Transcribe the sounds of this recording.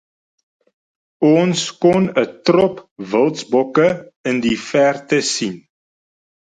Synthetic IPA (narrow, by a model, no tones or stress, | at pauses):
ɔnskɔnətrɔpvəlˠtsbɔkəəndifærtəsin